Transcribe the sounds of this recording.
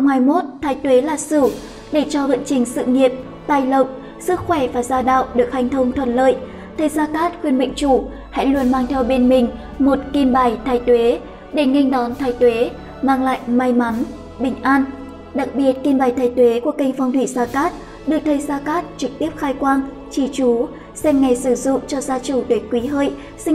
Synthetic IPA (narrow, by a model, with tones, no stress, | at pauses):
wŋ͡mhaː˨˧˩jmo˦˥t̚t̪ʰaː˨˩jt̪we˨˦laː˨˩sɨ˧˩ | ɗe˧˩t͡ɕɔ˧və̰˧˨nt͡ɕï˨˩ŋ̟sɨ̰˧˨ŋi˨əp̚ | t̪aː˧˩jlə˨˩p̚ | sɨ˦˥k̚xwɛ˧˩vaː˨˩zaː˧ɗa̰ː˧˨wɗɨ˨˩ək̚ha˨˧jŋt̪ʰə˧wŋ͡mt̪ʰwə̰˧˩nlə̰ː˧˨j | t̪ʰə˨˩jzaː˧kaː˦˥t̚xwi˧ənɓḭ˧˨ŋ̟t͡ɕu˧˩ | ha̰˧˥lu˧ənmaː˧ŋt̪ʰɛ˧wɓe˧nmï˨˩ŋ̟ | mo˨˩t̚ki˧nɓaː˨˩jt̪ʰaː˨˩jt̪we˨˦ | ɗe˧˩ŋi˧jŋ̟ɗɔ˨˦nt̪ʰaː˧˩jt̪we˨˦ | maː˧ŋla̰ː˧˨jma˧jma˨˦n | ɓï˧˩ŋ̟ʔaː˧n | ɗa˨˩k̚ɓi˨˩ət̚ki˧nɓaː˨˩jt̪ʰaː˨˩jt̪we˨˦ku˧˩əka˧jŋ̟fa˧wŋ͡mt̪wḭ˧˩zaː˧kaː˦˥t̚ | ɗɨ˨˩k̚t̪ʰə˨˧˦jzaː˧kaː˦˥t̚t͡ɕɨ˨˩k̚t̪i˦˥əp̚xaː˧jkwaː˧n | t͡ɕi˧˩t͡ɕu˨˦ | sɛ˧mŋa˨˩jsɨ˧˩zʊ̰˧˨ŋ͡mt͡ɕɔ˧zaː˧t͡ɕu˧˩ɗ̪e˨˦kwi˨˦ɦəː˧˨j | sï˧ŋ